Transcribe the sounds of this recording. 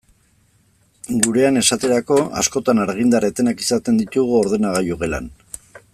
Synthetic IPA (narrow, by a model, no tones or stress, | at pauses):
ɡuɾe̞ane̞sat̪e̞ɾako̞a̰sko̞t̪anaɾɣ̞ind̪aret̪e̞nakisat̪e̞nd̪it̪uɣ̞uo̞ɾðe̞naɣ̞ajoɣela̰n